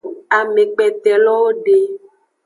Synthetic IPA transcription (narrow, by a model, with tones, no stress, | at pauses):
a˨mẽ˨k͡pɛ˨t̪ɛ˨lɔ˦wo˦ɖe˨